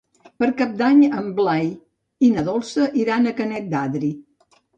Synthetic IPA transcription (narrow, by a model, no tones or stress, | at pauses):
pəɾkap̚d̪aɲəmblaj | inəðɔlˠsəʔiɾanəkənɛt̪̚d̪aðɾi